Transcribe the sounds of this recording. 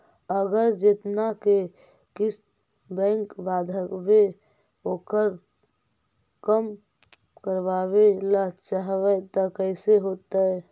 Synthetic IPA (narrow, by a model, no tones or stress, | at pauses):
əɡəɾd͡ʒet̪nake | kis | bɛ̃ŋkbad̪ʱəkbe | okəɾ | kəm | kəɾbabelət͡ʃaɦbət̪ɔkəɪseɦot̪əe